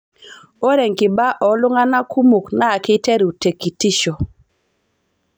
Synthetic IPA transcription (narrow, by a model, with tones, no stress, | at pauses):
o˦ɾe˨ŋkɪ˨ba˦ʔɔ˨lʊ˦ŋa˦na˦ku˦mu˨kna˦˨kɪ˦te˦ɾu˨te˨ki˨ti˦ʃo˨